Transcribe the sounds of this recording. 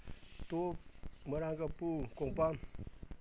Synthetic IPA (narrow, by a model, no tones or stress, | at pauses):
t̪oməɾaŋɡapukoŋpam